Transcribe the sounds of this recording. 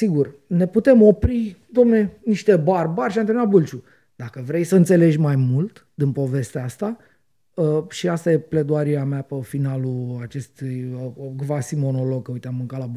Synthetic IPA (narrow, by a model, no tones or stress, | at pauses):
siɡurne̞put̪e̞mo̞pɾid̪omne̞niʃt̪e̞barbaɾrʲʃ̬iant̪enabult͡ʃu | d̪akəvɾe̞jsəɨnt̪se̞le̞d͡ʒʲmajmult̪ | d̪inpo̞ve̞st̪eaast̪a | əʃiast̪aje̞pled̪uaɾiameapefinaluat͡ʃe̞st̪ujɡvasimo̞no̞lo̞ɡ̚kəujt̪eamːɨŋkalab